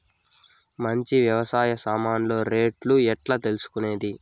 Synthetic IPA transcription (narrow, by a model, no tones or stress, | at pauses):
mɐɲt͡ʃiʋjɐʋɐsaːjɐsaːmaːnlo̞ːɾe̞ːʈluɛʈlɐːt̪e̞lusu̥kune̞ːd̪i